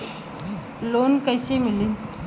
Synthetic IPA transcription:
loːnkəjsemɪli

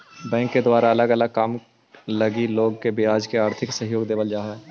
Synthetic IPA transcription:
bɛ̃ːŋkːed̪waːɾaɐləɡɐləɡ̚kaːm | lɐɡiloːɡkebɪaːd͡ʒkeaːɾt̪ʰɪksəɦjoːɡd̪eːbəld͡ʒaːɦɛː

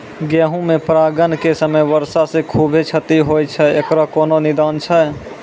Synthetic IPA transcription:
ɡɛːɦũmẽpɾaːɡənkesəməjʋəɾsasẽkʰubʱet͡ʃʰət̪iɦojt͡ʃʰɛekɾakoːnonid̪aːnt͡ʃʰə

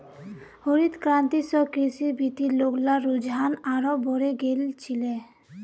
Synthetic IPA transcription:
hoɾit̪kɾant̪isɔkɾisibʱit̪iloɡlaɾud͡ʒɦanaɾɔboɾeɡelt͡ʃʰile

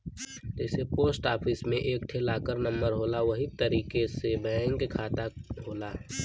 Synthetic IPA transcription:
d͡ʒɛːsepoːsʈaːpʰɪsmẽʔeːkʈʰelaːkəɾnə̃mbəɾɦoːlaʋɐɦit̪əɾiːkesebɛ̃ŋkkʰaːt̪aɦoːlaː

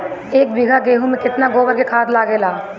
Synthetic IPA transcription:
eːk̚bɪɡʱaɡeːɦũmẽkɪt̪naɡoːbəɾkekʰaːt̪laːɡeːlaː

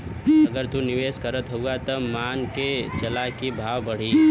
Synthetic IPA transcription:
əɡəɾt̪unɪʋeːskəɾət̪ɦouɡat̪əmaːnket͡ʃəlakibʱaːwbəɽ̤iː

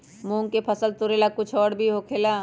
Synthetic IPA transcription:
mũːŋkepʰəsəlt̪ʊɾeːlakʊt͡ʃʰɔːɽbʱiɦokʰeːlaː

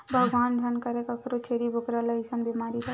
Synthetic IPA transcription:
bʱəɡʋand͡ʒʱənkəɾekəkʰɾot͡ʃʰeɾibʱokɾaləɦisənbimaɾiɾə

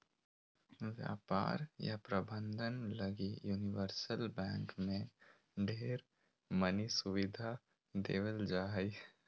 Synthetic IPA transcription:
ʋja̰ːpa̰ːɾja̰pɾɐbə̃nd̪ʱənlɐɡijuːnɪʋəɾsəlbɛ̃ːŋkmẽ | ɖʱeːɾ | mənisʊʋɪd̪ʱa | d̪ḛːʋəld͡ʒaːi

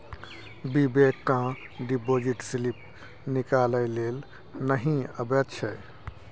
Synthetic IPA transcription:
bibekkã | ɖipod͡ʒiʈsilip̚ | nikaləjlel | nəɦĩəbət̪t͡ʃʰəj

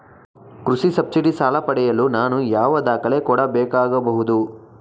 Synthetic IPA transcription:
kɾusisɐb̚siʈisaːlɐpɐɽɛjɐlunaːnujaːʋɐd̪aːkɐɭe̞kɔːɽɐbɛːkaːɡɐbɐɦud̪u

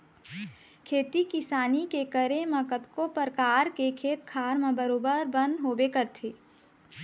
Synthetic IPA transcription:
kʰeːt̪ikɪsaːnikekəɾẽmɐ̃kət̪kopəɾkaːɾkekʰeːt̪kʰaːɾmãbəɾoːbəɾbə̃nd̪ɦoːbekəɾt̪ʰeː

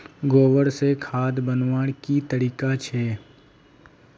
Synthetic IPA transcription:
ɡoːʋəɾsekʰaːd̪bənʋaːɽkit̪əɾiːkat͡ʃʰɛː

